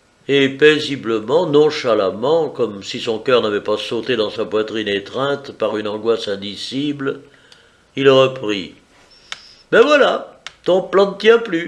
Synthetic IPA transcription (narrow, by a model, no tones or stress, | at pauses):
epezibləmɑ̃nɔ̃ʃalamɑ̃kɔmsisɔ̃kœʁnavɛpasot̪ed̪ɑ̃sapwat̪χinet̪χɛ̃t̪paʁynɑ̃ɡwasɛ̃d̪isibl | ilʁəpχḭ | mɛvwalat̪ɔ̃plɑ̃nət̪jɛ̃ply